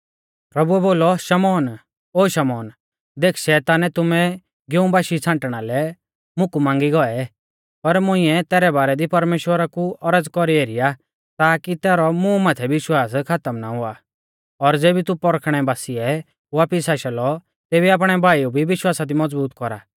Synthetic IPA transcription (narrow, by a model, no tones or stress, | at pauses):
pɾɐbuɛboːlɔʃɐmɔːn | oːʃɐmɔːn | d̪eːkʰʃɛːt̪aːnɛt̪ʊmɛ | ɡeũbaːʃit͡sʰãːɳʈɽ̃alɛ | mʊkumãːŋɡiɡɔɛ | pɐɾmʊ̃ĩɛt̪ɛːɾɛbaːɾɛd̪ipɐɾmeːʃwəɾakuʔɔɾəd͡zkɔɾieːɾija | t̪aːkit̪ɛːɾɔmũmaːt̪ʰɛʋɪʃwaːskʰat̪əmnaɦʊa | ɔɾd͡zeːbit̪upɔɾkʰɽ̃ɛbaːsiɛ | aːpisaʃɐlɔ | t̪eːbiaːp̬ɽ̃ɛbʱaːiubʱiʋɪʃwaːsad̪imɔd͡zbuːt̪kɔɾa̰ː